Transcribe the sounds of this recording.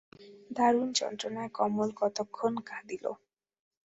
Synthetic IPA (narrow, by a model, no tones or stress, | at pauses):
d̪ʱaɾunt͡ʃɔ̰nt̪ɾɔnaekɔmolkɔt̪ɔkʰːonkad̪ilo̰